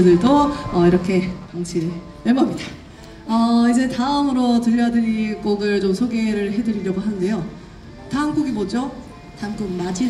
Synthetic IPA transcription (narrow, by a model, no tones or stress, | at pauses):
dɯɭdoʌiɾʌkʰe̞kaŋɕʰi | neɭmamɲida | ʌid͡ʑe̞taɯmɯɾotɯɾʌjadɯɲiɡ͈oɡɯɭt͡ɕomsʰoɡe̞ɾɯɭɦe̞dɯɾiɾjʌɡoɦanɯnde̞jo | tanɡuɡibod͡ʑo | tanɡuɡimad͡ʑi